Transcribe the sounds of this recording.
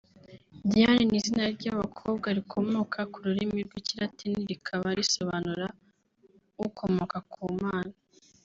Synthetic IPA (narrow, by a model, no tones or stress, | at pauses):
dijaninizinaɾɟaβakʰoːb̚ɡaɾikʰo̞mo̞ːkʰakuɾuɾimiɾɡwiciɾatʰiniɾikʰaβaɾiso̞βanuɾa | kʰo̞mo̞ːkakʰuːmaːna